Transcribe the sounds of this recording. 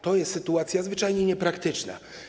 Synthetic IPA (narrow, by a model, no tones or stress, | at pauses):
t̪ɔjɛst̪sɘt̪uat̪sʲjazvɘt͡ʂajɲɛɲɛpɾakt̪ɘt͡ʂna̰